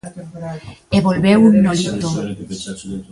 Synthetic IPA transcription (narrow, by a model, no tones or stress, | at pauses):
eβolβewunːolit̪o